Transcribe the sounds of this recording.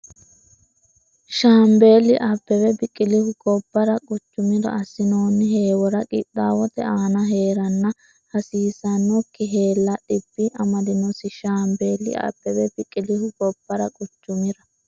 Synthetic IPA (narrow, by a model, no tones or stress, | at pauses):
ʃaːmbe̞ːlɪʔapːɛbɛbɪkʼːɪlɪhʊɡɔbːɐɾɐkʼʊt͡ʃːʊmɪɾɐ̰ɐsːɪnoːnːɪɦe̞ːwɔɾɐkʼɪ̰t̪ːaːwɔt̪ɛ̰ʔaːnɐɦe̞ːɾɐnːɐ | hɐsiːsɐnːɔkːɪɦe̞ːlːɐɗɪb̥ːɪʔɐmɐd̪ɪnɔsɪʃaːmbeːlːɪ̰a̰ːpːɛbɛbɪkʼːɪlɪhʊɡɔb̥ːɐɾɐkʼʊt͡ʃːʊmɪɾɐ